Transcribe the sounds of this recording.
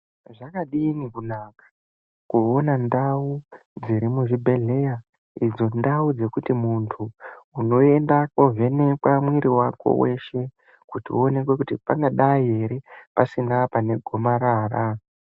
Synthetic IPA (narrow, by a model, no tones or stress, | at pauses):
ʐakaɗinikunakḁ | kuonandau | d͡ziɾimuʐibʱe̞ɮe̞ja | id͡zo̞ndaud͡ze̞kutimuntʰuːno̞e̞ndakovʱe̞ne̞kwamwiɾiwako̞̰we̞̰ʃe̞ | kutione̞kwe̞kutipaŋɡaɗaieɾe̞pasinapane̞ɡʱo̞maɾaːra